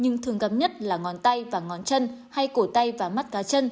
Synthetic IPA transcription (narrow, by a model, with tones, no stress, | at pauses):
ɲɨ˧ŋt̪ʰɨ˨˩əŋɣə˨˧˩p̚ɲə˦˥t̚laː˨˩ŋɔ˨˦nt̪a˧jvaː˨˩ŋɔ˨˩˦nt͡ɕə˧nha˧jko˧˩t̪a˧jvaː˨˩ma˦˥t̚kaː˨˦t͡ɕə˧n